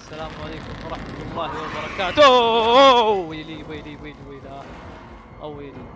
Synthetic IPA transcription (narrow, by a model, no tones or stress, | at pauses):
sːalaːmʕaleːkʊmwɑɾˤɑħmat̪ʊlˤːɑːhɪwabɑɾˤɑkaːt̪ʊ | wiliwiliwiːlwila | ʔawili